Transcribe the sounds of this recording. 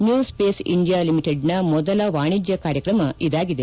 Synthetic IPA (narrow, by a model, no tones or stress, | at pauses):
njuːspeːsḭɳɖijaːlimiʈeɖnɐmɔd̪ɐlɐʋaːɳid͡ʒjɐkaːɾjɐkɾɐmɐʔid̪aːɡid̪e